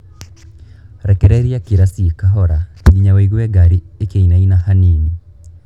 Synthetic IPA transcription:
ɾɛkɛɾɛɾiakiɾasikaɦɔɾatiɡiɲaweiɣuɛɡaɾiekeinainahanini

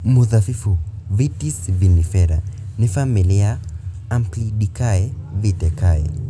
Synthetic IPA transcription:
muðafifu | vitisvinifɛɾa̰nifamilia | amplidikaevit̪ekaḛ

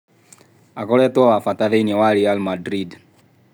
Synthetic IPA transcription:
akɔlɛt̪wɔwafat̪aðeinɛwaɾialmadɾid

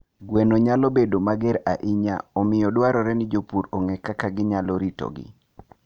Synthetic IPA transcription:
ɡwenoɲalɔbedomaɡɛɾaʔiɲa̰ɔmɪjɔdwaɾɔɾɛnɪd͡ʒopuɾɔŋɛkakaɡɪɲalɔɾitɔ̰ɡɪ̰

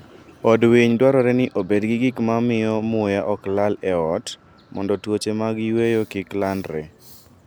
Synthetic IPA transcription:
ɔdwiɲdwaɾɔɾɛnɪʔobedɡɪɡɪkmamɪɔmʊjaʔɔklalɛɔt | mɔ̰ndɔtwot͡ʃemaɡɪwejokiklandɾɛ

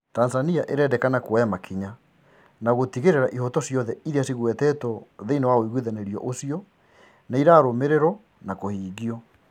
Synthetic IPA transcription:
tanzaniaʔeɾɛːdɛkanakoɔjamakʰiɲa | naɣotiɣeɾeɾaʔiɦɔtɔsjɔðɛiɾeasiɣwɛtɛtɔðeinewaoiɣwiðɛnɛɾiɔ̰ʔosiɔ | naiɾaːɾomeɾeɾɔ | nakohiːɣiɔ

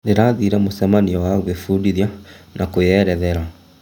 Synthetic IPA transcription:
neɾaːðiːɾɛmosamaniɔwaɣwefuːɾiɾjanakojɛɾɛðɛɾa

